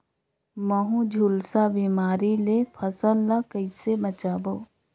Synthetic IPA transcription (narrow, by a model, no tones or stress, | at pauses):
məɦũd͡ʒʱuːlsabiːmaːɾilepʰəsəlːakəɪsemət͡ʃaːboː